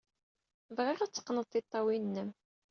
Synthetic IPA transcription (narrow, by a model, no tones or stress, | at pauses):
vʁɪʁæt͡sːə̥qːnəðˤθit̪ˤːɑwinːəm